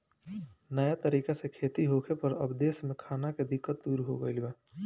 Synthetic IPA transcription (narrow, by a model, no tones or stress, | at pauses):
nəjat̪əɾiːkesekʰeːt̪iɦoːkʰepəɾə̰bd̪eːsmẽkʰaːnaked̪ɪkːət̪̚d̪uːɾɦoɡəɪlbɛː